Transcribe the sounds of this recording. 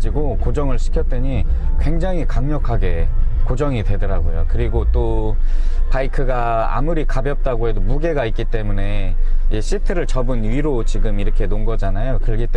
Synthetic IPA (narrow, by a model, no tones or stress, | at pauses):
iɡokod͡ʑʌŋɯɭɕʰi̥kʰjʌt̚t͈weɲikwe̞ŋd͡ʑaŋɦikaŋɲʌkʰaɡe̞kod͡ʑʌŋitwe̞dɯɾaɡojo̰kɯɾiɡot͈o | paikʰɯɡa | a̰muɾikabjʌp̚t͈aɡoɦe̞domuɡe̞ɡaik͈it͈e̞mune̞ | eɕʰitʰɯɾɯɭt͡ɕʌbɯnɥiɾot͡ɕiɡɯmiɾʌkʰe̞noŋɡʌd͡ʑanajokɯɭɡit͈e